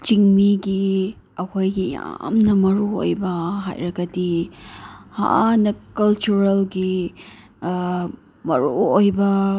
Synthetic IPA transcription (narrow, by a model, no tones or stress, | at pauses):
t͡ʃiŋmiɡi | ɐkʰojɡija̰mnɐmɐɾuo̰jbɐɦa̰jɾɐɡɐdi | ha̰nɐkɐlt͡ʃuɾɐlɡi | mɐ̰ɾṵojbɐ